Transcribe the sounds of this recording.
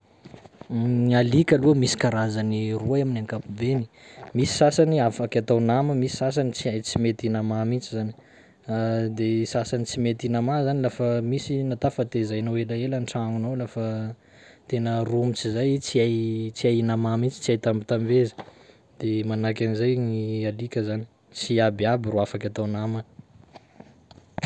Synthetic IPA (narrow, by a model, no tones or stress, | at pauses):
alikʲalumisi̥kaɾazaniruaaminaŋkapubeni̥ | misi̥sasaniafakʲat̪awnaməmisi̥sas̬anit͡siajt͡simet̪inamamit͡sizani̥ | d̪esasanit͡simet̪inamazanilafəmisinat̪afət̪ezajnawelaelanʈ͡ʂaŋunowlafə | t̪enərumit͡sizajt͡siajt͡siajinamamint͡si̥t͡siajt̪ambit̪amvezə̥ | d̪̥emanakʲanizajnialikʲəzani̥ | t͡siabiabiruafakʲat̪awnamə